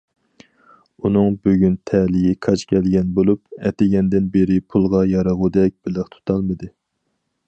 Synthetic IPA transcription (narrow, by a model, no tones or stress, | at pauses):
unɨŋbøɡʲynt̪ʰɛlɪjɪkʰɑt͡ʃkʲʰɛlɡʲɛnbolˠupɛt̪ɪɡʲɛnd̪ɪnbeɾɪpʰulˠʁɑjɑɾɑʁud̪ɛk̚ʲb̥ɪlɪχt̪ʰu̥t̪ʰɑlˠmɨd̪ɨ